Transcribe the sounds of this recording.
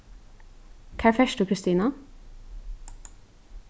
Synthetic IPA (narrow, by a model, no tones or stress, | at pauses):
kʰæːɹfɛʃʈʊkʰɾɪst̪iːnɑ